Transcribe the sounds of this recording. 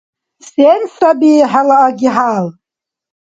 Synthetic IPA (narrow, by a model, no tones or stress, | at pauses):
sensabiħalaʔaɡʲiħal